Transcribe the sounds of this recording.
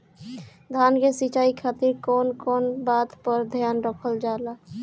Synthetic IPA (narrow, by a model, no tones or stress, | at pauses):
d̪ʱankesit͡ʃaikʰat̪iɾkɔnkɔnbat̪pəɾd̪ʱjanɾəkʰəld͡ʒala